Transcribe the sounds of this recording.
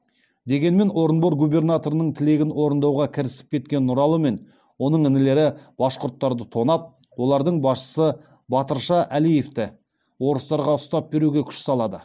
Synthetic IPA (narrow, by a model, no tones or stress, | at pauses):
d̪e̞ɡʲe̞nme̞no̞ɾənbo̞ɾɡube̞rnat̪o̞ɾənəɴt̪ʰɪle̞ɡʲɪnwo̞ɾənd̪ɑwʁɑkʲʰɪɾɪsɪ̥p̚kʲʰe̞t̪kʲe̞nːʊɾɑlˠəme̞n | wo̞nəɴɪnɪle̞ɾɪb̥ɑsqʊɾt̪ːɑɾd̪ət̪ʰo̞nɑp̚ | wo̞lˠɑɾd̪əɴbɑsʃə̥sə | bɑt̪əɾʃɑʔælije̞ft̪ɪ | wo̞ɾəst̪ɑɾʁɑʊst̪ɑp̚be̞ɾuɡʲe̞kʲʰʏ̥ʃsɑlˠɑd̪ə